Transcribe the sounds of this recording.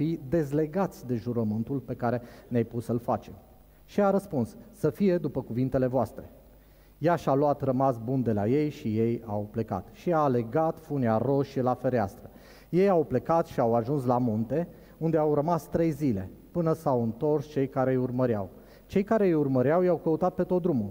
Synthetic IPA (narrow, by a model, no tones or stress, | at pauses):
id̪e̞zle̞ɡat̪sʲd̪e̞ʒuɾəmɨnt̪ulpe̞kaɾe̞neajpussəlfat͡ʃe̞̰m | ʃiaɾəspunsːəfije̞d̪upəkuvint̪e̞le̞voast̪ɾe̞̰ | jaʃaloat̪rəmasbund̪e̞laje̞jʃije̞jawple̞ka̰t̪ʃiaːle̞ɡat̪funiaro̞ʃelafe̞ɾea̰st̪ɾə | je̞jawple̞kat̪ʃiawaʒuns̬lamunt̪e̞ | und̪eawrəmast̪ɾe̞jzile̞̰pɨnəsawɨnt̪o̞rst͡ʃe̞jkaɾe̞jurməɾja̰w | t͡ʃe̞jkaɾe̞jurməɾjawjawkəut̪at̪̚pe̞t̪ot̪̚d̪ɾumul